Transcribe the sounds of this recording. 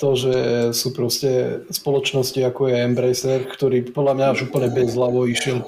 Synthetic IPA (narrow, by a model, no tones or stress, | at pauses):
t̪ɔʒɛsuːpɾɔscɛspɔlɔt͡ʃnɔsciakɔjɛɛmbɾɛjsɛɾkt̪ɔɾiːpɔd̪lamɲaaʒuːpl̩ɲɛbɛzɦlaʋɔiʃɪɛl